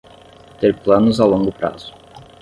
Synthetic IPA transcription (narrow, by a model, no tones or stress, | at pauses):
t̪eɾplɐ̃nʊzawlõŋɡʊpɾa̰z̥ʊ̥